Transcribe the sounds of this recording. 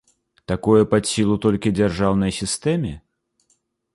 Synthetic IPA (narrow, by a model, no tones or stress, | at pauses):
t̪akɔjɛpat̪sʲilˠut̪ɔlʲkʲid͡zʲɛrʐawnɐjsʲist̪ɛmʲɪ